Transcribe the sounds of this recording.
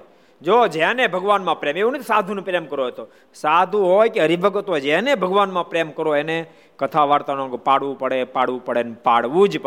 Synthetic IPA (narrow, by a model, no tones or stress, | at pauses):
d͡ʒod͡ʒɛ̃nebʱəɡʋanmãpɾemeũnət̪osad̪ʱunũpɾemkəɾoɦət̪o | sad̪ʱũɦojkeɦəɾibʱəɡət̪ojd͡ʒɛ̃nebʱəɡʋanmãpɾemkəɾoene | kət̪ʰaʋaɾt̪anãɡpaɽʋũpəɽepaɽʋũpəɽenpaɽʋũd͡ʒp